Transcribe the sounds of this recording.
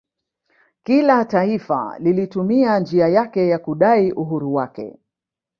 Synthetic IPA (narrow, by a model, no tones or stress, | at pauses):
kilataifa̰lilitumiand͡ʒiajakɛjakuɗaiʔuɦuɾuwakɛ̰